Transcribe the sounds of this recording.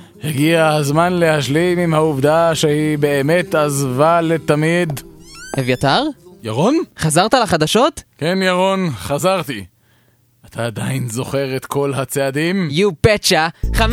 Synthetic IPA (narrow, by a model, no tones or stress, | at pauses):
heɡiahazmanle̞haʃlimimhauvd̪aʃehibe̞ːme̞t̪azvalet̪amid̪evjat̪aʁjaʁonχazaʁt̪alaχad̪aʃo̞t̪kenjaʁonχazaʁt̪i | at̪ʰaːd̪ainzo̞χe̞ʁet̪kʰo̞lhat͡sead̪imjupet͡ʃaχav